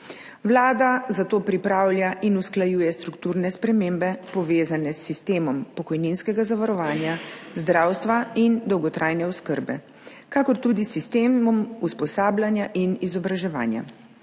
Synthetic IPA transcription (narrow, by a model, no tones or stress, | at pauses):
wlaːd̪azat̪oːpɾipɾaːwlʲjaʔinusklajuːjɛst̪ɾukt̪uːɾnɛspɾɛmeːmbɛpɔʋeːzanɛsːist̪eːmɔmpɔkɔjninskɛɡazaʋaɾɔʋaːnjazd̪ɾaːwst̪ʋaind̪ɔwɡɔt̪ɾʔaːjnɛɔskəɾbɛ̰ | kakɔɾt̪uːd̪isːist̪eːmɔmuspɔsaːblʲjanjaʔinizɔbɾaʒɛʋa̰ːnja̰